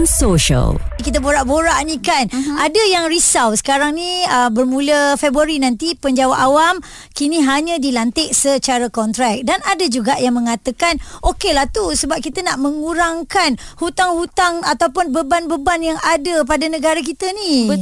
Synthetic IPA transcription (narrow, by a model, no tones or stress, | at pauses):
nsoʃə̰lkit̪əboɾaʔboɾaʔnikanadəjaŋɾisawsə̥kaɾaŋniəbərmũləfebɾuaɾinãnt̪ipəɲd͡ʒawaʔawam | kiniɦaɲãdilant̪ɪʔsət͡ʃaɾakɔnt̪ɾɛk̚danadad͡ʒuɡaʔjaŋmə̃ŋat̪əkanʔokelaht̪usəbap̚kit̪ənaʔməŋuɾaŋkanhut̪aŋhut̪aŋat̪awp̬ʊnbəbanbəbanjaŋadəp̬adanəɡaɾak̬it̪əni